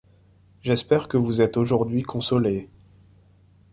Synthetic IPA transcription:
ʒɛspɛʁkəvuzɛt̪oʒuʁd̪ɥikʰɔ̃sɔle

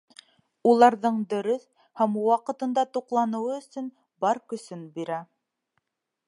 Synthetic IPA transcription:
ulˠɑɾðɤɴd̪ɵ̆ɾɵθ | hæmwɑqɤ̆t̪ɤ̆nd̪ɑt̪uqlˠɑnɤ̆wɤɵ̆sɵn | bɑɾkɵ̆sɵnbiɾæ

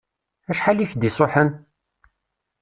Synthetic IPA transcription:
æʃħaliçd̪isˤoħən

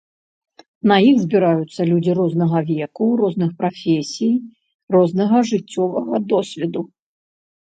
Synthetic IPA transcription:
nɐjiɣzʲbʲiɾajut̪sːɐlʲud͡zʲiɾɔznɐɣɐvʲɛkurɔznɨxpɾafʲɛsʲij | rɔznɐɣɐʐɨt͡sʲːɔvɐɣɐd̪ɔsʲvʲɛd̪u

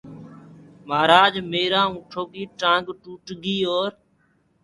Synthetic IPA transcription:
maːɾaːd͡ʒmeːɾãːũːʈʰoːkiːʈãːŋɡʈuːʈɡiːoːɾ

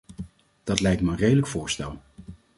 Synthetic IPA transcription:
d̥ɑtlɛjk̚tməənrejdələkfʊːɹstɛlˠ

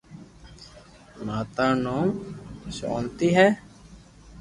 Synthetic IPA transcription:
naːt̪aːnoːmso̰ːnt̪iɦɛː

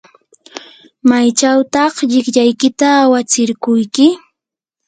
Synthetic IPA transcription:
majt͡ʃawt̪ɑχʎɪkʎajkɪt̪aːwat͡sɪɾkʊjkɪ

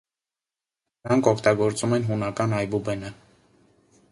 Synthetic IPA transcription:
əɾɑŋkʰɔkʰt̪ɑɡɔɾt͡sumɛnɦunɑkɑnɑjbubɛnə

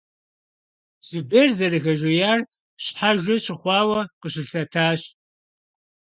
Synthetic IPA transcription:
subeːrzɐrɨɣɐʒʷɐjaːr | ɕħaʒʷɐɕɪχʷɑːwɐqəɕɪɬɐtʰaːɕ

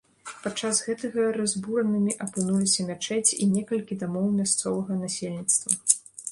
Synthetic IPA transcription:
pat͡ʂːasɣɛt̪ɐɣɐɾazʲbuɾɐnɨmʲiʔɐpɨnulʲisʲɐmʲat͡ʂɛt͡sʲḭnʲɛkɐlʲkʲid̪amɔwmʲast̪sɔvɐɣɐnasʲelʲnʲit̪st̪vɐ

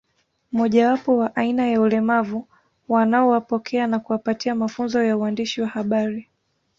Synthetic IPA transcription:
mɔʄawapɔwaʔainajaulɛmavu | wanaɔwapɔkʰɛanakuwapatiamafunzɔjauandiʃiwahaɓaɾi

